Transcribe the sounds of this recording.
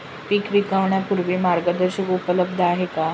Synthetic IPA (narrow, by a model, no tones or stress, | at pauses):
piːkʋikaʋɳjapuɾʋiːmaɾɡəd̪əɾɕəkupələb̚d̪ʱaɦeka